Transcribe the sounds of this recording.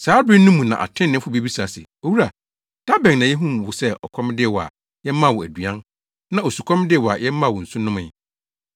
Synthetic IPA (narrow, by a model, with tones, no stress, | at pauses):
saː˨˦bĩː˦ũ˦mːũ˨nã̰˨ʔa̰˨tʰɪ̃˦nːɪ̃˦fʊ˦bi˦bi˦sa˨sɪ̰˨ | o˨wu˦ɾa˨ | d̥a˦bɛ̃˨n˨nã˨jɛ˦ɦũ˦m˨wʊ˨sɛ˦ɔ̰˨kʰɔ̃˦m˦dɪ˦ɛ˨wɔ˨a̰˨ | jɛ˦mã˦˨wɔ˨æ˨du˨ã˦n | nã˦o˨su˨kʷʰɔ̃˦m˦dɪ˦ɛ˨wɔ˨a̰˨jɛ˦mã˦˨wɔ˨n̩˨sʊ̃˦nʊ̃˦mɪ̰̃˨